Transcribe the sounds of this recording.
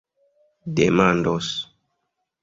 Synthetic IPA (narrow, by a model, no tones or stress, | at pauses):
dḛmandos